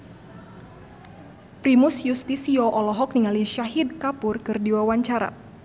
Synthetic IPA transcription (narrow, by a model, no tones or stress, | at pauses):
pɾimusjust̪isiɔʔɔlɔɦɔk̚niŋaliʃaɦid̪̚kapʊrkɨrdiwawaɲt͡ʃaɾa̰